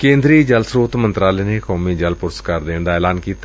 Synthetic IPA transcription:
kẽːnd̪ɾiːd͡ʒəlsɾoːt̪mənt̪ɾaːleːneːkɔːmiːd͡ʒəlpʊɾəskaɾd̪eːɳd̪aːɛːlaːnkiːt̪a

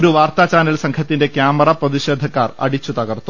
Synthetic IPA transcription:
ɾuʋaːrt̪aːt͡ɕaːnɐlsɐŋkʰɐt̪ːinde̞kjaːmɐrɐprɐðiɕe̞ːd̪ʱːɐkːaːrɐ̰ɽit͡ɕːut̪ɐɣɐrt̪ːu

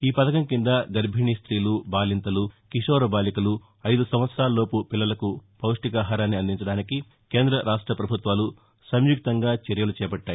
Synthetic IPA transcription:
iːpɐd̪ɐkɐmkind̪ɐɡɐɾbʱiɳist̪ɾiːlubaːlint̪ɐlukiʂoːɾɐbaːlikɐlu | ɐjd̪usɐm̃ʋɐt̪sɐɾaːlɐlo̞ːpupilːɐlɐkupɐwʂʈikaːɦaːɾaːnːiɐnd̪iɲt͡ʃɐɽaːniki | keːnd̪ɾɐɾaːʂʈɾɐpɾɐbʱut̪ʋaːlu | sɐmjuk̚t̪ɐŋɡaːt͡ʃɐɾjɐlut͡ʃɛːpɐʈːaːji

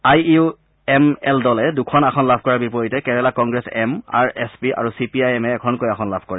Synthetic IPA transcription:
ajiu | ɛmɛldɔlɛdukʰɔnakʰɔnlabʱkɔɹaɹbipɔɹitɛkɛɹɛlakɔŋɡɹɛsɛma̰ɹɛspia̰ɹusipiajɛmɛːkʰɔnkojakʰɔnlabʱkɔɹɛ

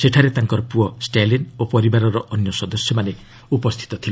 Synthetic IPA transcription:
seʈʰaɾet̪aŋkɔɾɔpuɔsʈalinopɔɾibaɾɔɾɔʔɔnjɔsɔd̪ɔsjɔmane | upɔst̪ʰi̥t̪ɔt̪ʰil

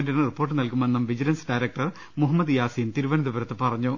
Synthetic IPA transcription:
ndinripːoːʈːɨnɐlkumʋenːɐmʋid͡ʑilɐnsɖɐjɾɐk̚ʈɐr | muɦɐmːɐd̪ɨjaːsijint̪iɾuʋɐnɐðuʋɐɾɐt̪ːɨpɐrɐɲːu

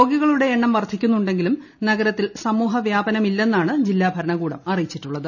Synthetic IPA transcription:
oːɡiɣɐɭuɽe̞ːɳːɐmʋɐrt̪ʰikʲːunːuɳɖe̞ŋɡilum | nɐɡɐɾɐt̪ːilsɐmuːɦɐʋjaːbɐnɐmilːe̞nːaːɳɨd͡ʑilːaːbʱɐɾɐɳɐɣuːɽɐ̰mɐrijit͡ɕːiʈːuɭːɐðɨ

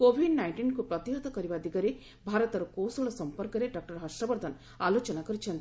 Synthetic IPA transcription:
koːbʱiɖnajɳʈinkupɾɐt̪iɾɐd̪ʱɐkɐɾiʋaːd̪iɡɐɾe | bʱaːɾɐt̪ɐɾɐkoːwsɐɭɐsɐmpɐɾkɐɾeɖak̚ʈɐɾɦɐsʂʈɾɐʋɐɾd̪ʱɐn | aːloːt͡ʃɐnakɐɾit͡ʃʰend̪

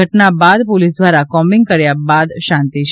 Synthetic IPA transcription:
əʈnabad̪polisd̪ʱʋaɾakɔmĩŋɡkəɾjabad̪ʃãnt̪iʃ

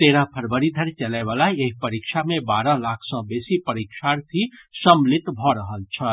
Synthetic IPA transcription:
t̪eːɾapʰəɾbəɾid̪ʱəɾt͡ʃəlɛʋaːlaeɦpəɾikʃamẽbaːɾãlaːkʰsɔ̃beːsipəɾikʃaɾt̪ʰisəmlɪt̪bʱɔɾəɦəlt͡ʃʰə

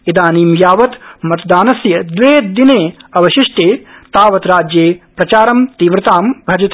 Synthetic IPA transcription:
id̪aːniːmjaːʋɐt̪mɐt̪ɐd̪aːnɐsjɐd̪ʋeːd̪ineːɐʋɐʃiʂʈeːt̪aːʋɐt̪ɾaːd͡ʒjeːpɾɐt͡ʃaːɾɐmt̪iːʋɾɐt̪aːmbʱɐd͡ʒɐt̪

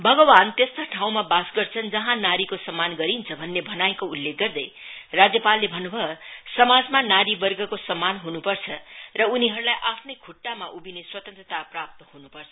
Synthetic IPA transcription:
bʱʌɡʌbant̪est̪oʈʰaw̃mabasɡʌrt͡sʰʌnd͡zʌɦãnaɾikosʌmːanɡʌɾint͡sʰʌbʱʌnːebʱʌnaekoulːek̚ɡʌrd̪ʌj | rad͡zjʌpalːebʱʌnːubʱʌsʌmad͡zmanaɾibʌrɡʌkosʌmːanɦunupʌrt͡sʰʌrʌuniɦʌɾulajʔapʰnʌjkʰuʈːamaʔubineswʌt̪ʌnt̪rʌt̪aprap̚t̪ʌhunupʌrt͡sʰʌ̥

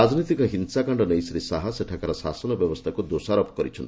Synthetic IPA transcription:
ad͡ʒnit̪ikɔɦinsakaɳɖɔnejsɾisaɦaseʈʰakaɾɔsasɔnɔbjɔbɔst̪ʰakud̪osaɾɔpɔkɔɾḭt͡ʃʰɔnt̪i

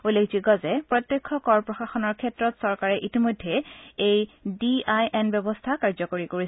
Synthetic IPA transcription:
olekʰziɡɔzɛpɹɔt̪jɔkʰːɔkɔɹpɹɔxaxɔnɔɹkʰɛtɹɔtsɔɹkaɹɛʔitimojdʱːeejdiajʔɛnbjɛbɔstʰakaɹzɔkoɹikoɹi

